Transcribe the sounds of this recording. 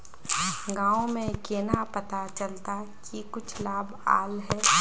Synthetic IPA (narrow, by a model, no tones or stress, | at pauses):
ɡãːõmẽkeːnapət̪at͡ʃəlt̪akikʊt͡ʃʰlaːba̰ːlɦɛː